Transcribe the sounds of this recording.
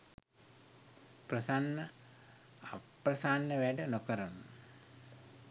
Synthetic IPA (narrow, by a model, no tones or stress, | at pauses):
prəsanːə | aprəsanːəʋæɖənokəɾənu